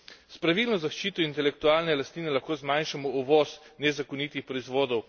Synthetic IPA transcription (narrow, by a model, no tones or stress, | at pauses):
spɾaʋiːlnɔzaʃt͡ʃiːt̪ɔint̪ɛlɛkt̪uaːlnɛlast̪niːnɛlaxkoːzmanʃamɔɔʋɔsnɛzakɔniːt̪ixpɾɔizʋoːd̪ɔw